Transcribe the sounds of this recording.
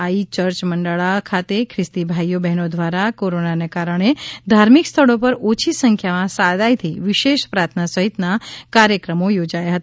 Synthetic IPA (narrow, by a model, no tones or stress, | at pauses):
ait͡ʃəɾt͡ʃməɳɖaɭakʰat̪ekʰɾɪst̪ibʱajobɛɦnod̪ʱʋaɾakoɾonanekaɾəɳ̃ed̪ʱaɾmikst̪ʰəɭopəɾot͡ʃʰisəŋkʰjamãsad̪ajt̪ʰiʋɪʃeʃpɾat̪ʰnasəɦit̪nakaɾjəkɾəmojod͡ʒajaɦət̪